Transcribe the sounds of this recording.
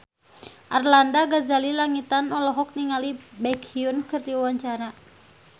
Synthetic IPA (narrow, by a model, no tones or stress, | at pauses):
ʔarlandaɡazalilaŋit̪anɔlɔɦɔk̚niŋalibɛkʰiunkɨrt̪iwaɲt͡ʃaɾa